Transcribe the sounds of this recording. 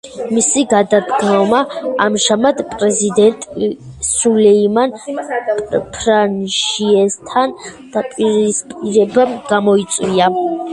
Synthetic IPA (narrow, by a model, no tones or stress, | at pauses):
misiɡad̪ad̪ɡnɔmaamʒamad̪pʼɾɛzid̪ɛnt̪ʼsulɛimanpʼpʰɾanʃiɛst̪ʰan | d̪̥apʼiɾispʼiɾɛbamɡ̥amɔit̪sʼwia